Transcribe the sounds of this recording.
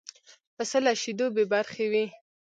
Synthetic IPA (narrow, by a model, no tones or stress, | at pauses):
pəsəlaʃid̪obebaɾxewi